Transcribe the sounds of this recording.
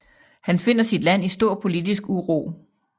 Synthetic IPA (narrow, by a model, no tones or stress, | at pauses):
hænfe̝n̰ɐsid̥læn̰isd̥o̝ɐ̰pʰo̝lid̥isɡ̥uʁo̰ː